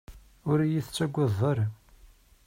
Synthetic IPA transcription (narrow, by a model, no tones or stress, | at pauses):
ʊɾjiθt͡sːæɡʷːəðˤːɑɾ